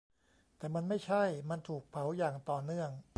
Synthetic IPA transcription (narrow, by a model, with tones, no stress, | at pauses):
t̪ɛː˨˩ma˧nma˥˩jt͡ɕʰa˥˩jma˧nt̪ʰuː˨˩k̚pʰa˩˦wjaː˨˩ŋt̪ɔː˨˩nɯ˥˩əŋ